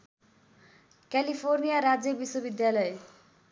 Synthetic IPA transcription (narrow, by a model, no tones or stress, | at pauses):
kalipʰornijaɾad͡zjʌbiswʌbid̪jalʌe